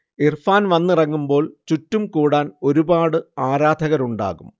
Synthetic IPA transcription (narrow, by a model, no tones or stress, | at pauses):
irfaːnʋɐnːɨrɐŋːumbo̞ːɭt͡ɕutːumkuːɽaːno̞ɾubaːɽɨaːɾaːd̪ʱɐɣɐɾuɳɖa̰ːɣum